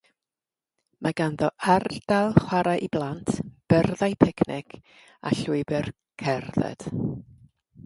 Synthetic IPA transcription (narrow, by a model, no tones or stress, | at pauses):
mʔaɡanðɔʔard̥alˠχwaɾaʔiblˠantʰb̥ərðajpʰɛkʰnɪkʰ | a̰ɬuɨbɛr | kʰɛrðɛ̰d̥